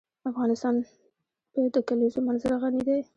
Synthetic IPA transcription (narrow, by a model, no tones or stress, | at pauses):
afɣɑnɪst̪ɑn | pəd̪əkalizomanzɾaɣanid̪e